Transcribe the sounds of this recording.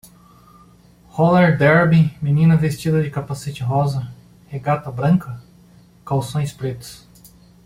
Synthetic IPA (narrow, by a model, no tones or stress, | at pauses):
hɔleɾd̪ɛɾbimĩnĩnɐvest͡ʃid̪ɐd͡ʒɪkapaset͡ʃɪɦɔzɐ | heɡat̪ɐbɾɐ̃ŋkɐ | kawsõj̃spɾet̪ʊ̥s